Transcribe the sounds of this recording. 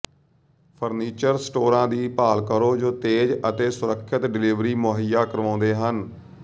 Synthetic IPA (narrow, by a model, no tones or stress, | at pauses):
pʰəɾniːt͡ʃəɾsʈoːɾãːd̪iːpaːlkəɾoːd͡ʒoːt̪eːd͡ʒət̪eːsʊɾəkʰːɪt̪ɖɪliːʋɾiːmoːɦɪjaːkəɾʋãːnd̪eːɦən